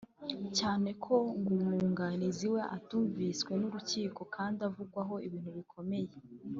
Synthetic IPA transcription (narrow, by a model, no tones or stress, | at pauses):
caːne̞kʰo̞ŋɡumuːŋɡaniziwe̞ʔatuːɱviskwe̞nuɾuciːko̞kʰaːndavuɡwaɦo̞iβiːn̥huβikʰo̞me̞je̞